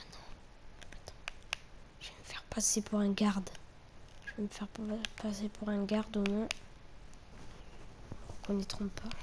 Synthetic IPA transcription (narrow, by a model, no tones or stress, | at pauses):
anɔ̃ | at̪ɑ̥̃ | ʒ̥ɛməfɛʁpasepʰuʁɛ̃ɡaʁd̪ | ʒ̥əveməfɛʁpasepʰuʁɛ̃ɡaʁd̪omɔ̃ | kɔ̃nit̪χɔ̃ppʰa